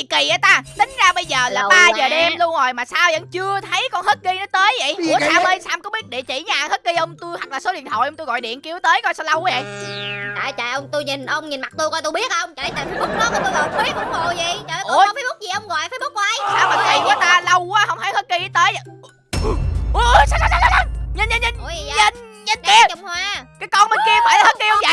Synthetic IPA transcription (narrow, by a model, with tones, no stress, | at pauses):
i˨ki˨˩ʔəː˨˦t̪aː˧t̪ï˨˦ŋ̟zaː˧ɓə˧jzəː˨˩laː˨ɓaː˨˧zəː˨˩ɗe˧mlu˧ənzo˨˩jmaː˨˩saː˧wzə̰˧˥ŋt͡ɕɨ˧ət̪ʰə˨˦jkɔ˧nhəː˦˥t̚ki˧nɔ˨˦t̪əː˨˦jvə̰˧˨ju˧˩əsaː˧mə˧nsaː˧mkɔ˨˦ɓi˦˥ət̚ɗi˧˨˩t͡ɕḭ˧˩ɲaː˨˩˨ŋhə˦˥t̚ki˧ʔə˧wŋ͡mt̪u˧jhwa˨˩k̚laː˨˩so˨˦ɗḭ˧˨ənt̪ʰo̰˧˨ʔə˧ŋ͡mt̪u˧jɣɔ̰˧˨jɗḭ˧˨ənki˨˦əwt̪əː˨˦jkɔ˧jsɔ˧wlə˧wʔɔ˧˨˦jə̰˧˨jt͡ɕa̰ː˨˩˨t͡ɕa̰ː˧˨˩ʔə˧wŋ͡mt̪u˧jɲi˨˩n˧ə˧wŋ͡mɲi˨˩nma˨˩k̚t̪u˧jkɔ˧jt̪u˧ɓi˦˥ət̚ʔə˧wŋ͡mt͡ɕɔ˧˩ɗə˨˦aː˨˩fi˨˦jɓu˦˥k̚lːt̪u˧la˨˧˦kwi˦˥ək̚ə˨˩mo˨˩zi˨˩a˨˩˨ʔfaː˨˦ɓu˦˥k̚zi˨˩ʔə˧wŋ͡mɣɔ̰˧˨jfa˨˦ɓu˦˥k̚wʔa˧jsaː˧wmaː˨˩˨i˨kɔ˨˦t̪aː˧lə˧wkwaː˨˦hə˧wŋ͡mha˨˦jhə˦˥t̚ki˧˦t̪əː˨˦jə˨˧˩ | ʔə˨˦ʔsaː˧wssa˧sa˧˦sa˧ɲə˧˩nɲə˧nɲə˧˩n˧ɲə˧˩nɲə˧˩ni˨˧ət͡ɕʊ˨˩ŋ͡mhwaː˧kaː˨˦jkɔ˧nmə˨˩ki˧əmaː˨˧˨la˨˩hə˦˥t̚ki˧ə˧wŋ͡m